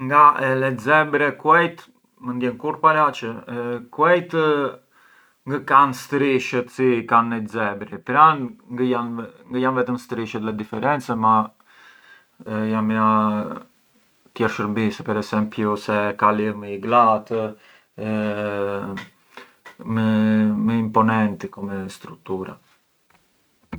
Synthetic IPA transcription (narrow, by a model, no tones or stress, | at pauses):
ŋɡaɛlɛzɛbɾɛkuɛjt̪ | mənd̪jɛnkuɾpalat͡ʃəkuɛjt̪ | ŋɡəkanst̪ɾiʃət̪sikanːɛzɛbɾipɾanŋɡjanŋɡəjanvɛt̪əmst̪ɾiʃət̪lɛd̪ifɛɾɛnt͡sɛma | jama | t̪jɛɾʃəɾbisɛpɛɾɛsɛmpjusɛkaliməiɡlat̪ | məməimpɔnɛnt̪ikɔmɛst̪ɾuk̚t̪uɾa̰